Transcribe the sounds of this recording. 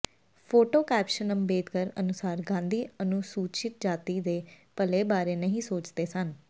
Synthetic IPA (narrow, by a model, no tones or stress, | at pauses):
pʰoːʈoːkɛːpʃənəmbeːd̪kəɾə̰nʊsaːɾɡãːnd̪iːənʊsuːt͡ʃɪt̪̚d͡ʒaːt̪iːd̪eː | pəleːbaːɾeːnəɦĩːsoːt͡ʃd̪eːsən